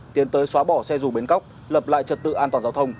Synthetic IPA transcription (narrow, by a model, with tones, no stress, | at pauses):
t̪i˨˦ənt̪əː˨˦jswaː˨˦ɓɔ˧˩sɛ˧zu˨˩ɓe˨˦nka˦˥wk͡p̚ | ləː˨˩p̚la̰ː˧˨jt͡ɕə˨˩t̚t̪ɨ̰˧˨ʔaː˧nt̪waː˨˩nza˨˦wt̪ʰə˧wŋ͡m